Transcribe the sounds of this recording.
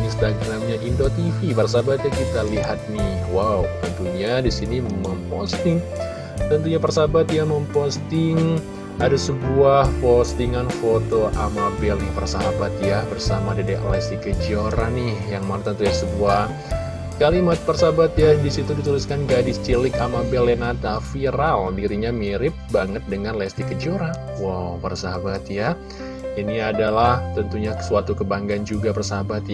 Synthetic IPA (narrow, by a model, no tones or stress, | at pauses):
inst̪aɡɾamɲaʔindot̪ifipərsabat̪̚ɲakit̪aliɦat̪̚nɪhwawt̪ənt̪uɲadisiniməmpɔ̰st̪ɪŋ | t̪ənt̪uɲapərsabat̪jaməmpost̪ɪŋ | adasəbuahfost̪iŋanfot̪oʔamabɛljapərsabat̪̚jabərsamadadiʔla̰sikəd͡ʒioɾanɪhjaŋmant̪ənt̪ujasəbuah | kalimat̪̚pərsabat̪jadisit̪udit̪uliskanɡadɪst͡ʃilɪkamabɛlenat̪afiɾaldiɾiɲamiɾɪp̚baŋət̪̚dəŋanlɛst̪ikəd͡ʒioɾa | wawpərsaabat̪ja | iniadalaht̪ənt̪uɲasuat̪ukəbaŋɡand͡ʒuɡapərsaɦabat̪j